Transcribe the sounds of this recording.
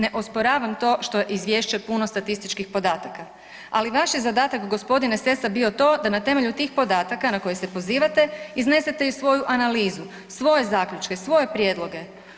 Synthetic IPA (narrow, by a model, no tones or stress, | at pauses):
ne̞ʔospoɾaːʋamt̪o̞ːʃt̪ojeʔizʋje̞ːʃt͡ʃepuno̞st̪at̪ist̪it͡ʃkixpo̞d̪aːt̪aka | aliʋaʃjezad̪aːt̪akɡo̞spo̞d̪inese̞sabio̞t̪o̞ːd̪anat̪e̞me̞ʎut̪iːxpo̞d̪aːt̪akanako̞jese̞po̞ziːʋat̪e̞izne̞se̞t̪ejusʋo̞juʔanaliːzu | sʋo̞je̞zaːkʎʲut͡ʃke̞sʋo̞je̞pɾjeːd̪lˠo̞ɡe̞